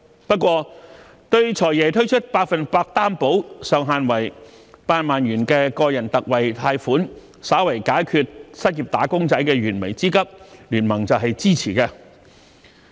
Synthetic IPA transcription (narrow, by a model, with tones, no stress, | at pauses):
pɐ˥t̚kwɔː˧ | t̪ɵ˧ɥt͡ʃʰɔː˨˩jɛː˨t̪ʰɵ˥ɥt͡ʃʰɵ˥t̚paː˧k̚fɐ˨npaː˧k̚t̪aː˥mpo˨˥wsœː˨ŋɦaː˨˧nwɐ˨˩j | paː˧nmaː˨njyː˨˩nkɛː˧kɔː˧jɐ˨˩nt̪ɐ˨k̚wɐ˨˩jt̪ʰaː˧jfuː˨˥n | saː˨˥wɐ˨˩jkaː˨˥jkʰyː˧t̚sɐ˥t̚jiː˨p̚t̪aː˨˥kʊ˥ŋt͡sɐ˨˥jkɛː˧ɥyː˨˩nme˨˩jt͡siː˥kɐ˥p̚lyː˨˩nmɐ˨˩ŋt͡sɐ˨wɦɐ˨jt͡siː˥t͡sʰiː˨˩kɛː˧